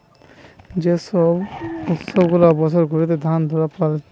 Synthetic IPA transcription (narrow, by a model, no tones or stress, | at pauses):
d͡ʑesɔbut̪sɔbɡulabɔt͡ɕʰɔɾɡʱoɾit̪̬ed̪ʱand̪ʱɔɾapɔl